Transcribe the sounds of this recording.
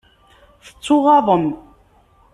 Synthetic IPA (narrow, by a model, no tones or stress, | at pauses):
θə̥t͡sˤːʊʁɑðˤəm